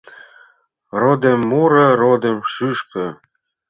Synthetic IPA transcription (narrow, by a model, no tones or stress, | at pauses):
rod̪emːuɾɤ̆ɾod̪emʃyʃkɤ̆